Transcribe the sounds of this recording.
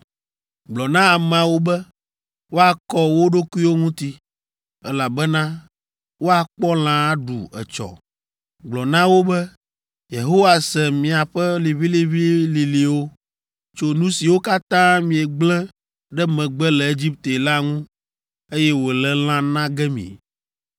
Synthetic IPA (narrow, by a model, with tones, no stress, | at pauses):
ɡ͡blɔ˨nã˦a˨mã˨wo˦bɛ˦ | wo˦a˨kɔ˦wo˦ɖo˦ku˦i˦wo˦ŋũ˦t̪i˦ | ɛ˦la˨bɛ˦nã˦ | wo˦a˨k͡pɔ˦l̃ã˨˦ɖṵ˨ɛ̰˨t͡ʃɔ̰˨ | ɡ͡blɔ˨nã˦wo˦bɛ˦ | je˨ɦo˦wa˨sɛ˨mĩ˨a˨ɸɛ˦li˨βi˦li˨βi˦li˨li˨wo˦ | t͡ʃo˦nũ˦si˨wo˦ka˦t̪ã˦mĩ˨ɛ˨ɡ͡blɛ̃˦ | ɖɛ˦mɛ̃˨ɡ͡bɛ˦lɛ˨e˦d͡ʑi˦p̚t̪e˨la˦ŋũ˦ | e˦jɛ˦wo˨lɛ˦l̃ã˦nã˦ɡɛ˦mḭ̃˨